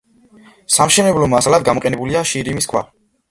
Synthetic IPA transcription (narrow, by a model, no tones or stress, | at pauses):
samʃɛnɛblɔmasalad̪̚ɡamɔqʼɛnɛbuliaʃiɾimiskʰwa̰